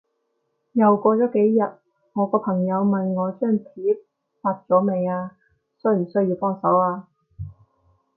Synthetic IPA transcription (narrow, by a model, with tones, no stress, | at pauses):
jɐ˨wkʷɔː˧t͡sɔː˨˥ke˨˥jːɐ˨t̚ | ŋɔː˨˧kɔː˧pʰɐ˨˩ŋjɐ˨˧wmɐ˨nŋɔː˨˧t͡ʃœː˥˩ŋpʰiː˨˥p̚ | faː˧t̚t͡sɔː˨˥me˨˧jaː˧ | sɵ˥ɥjy˨˩sɵ˥ɥjiː˧wpɔː˥˩ŋsɐ˨˥waː˧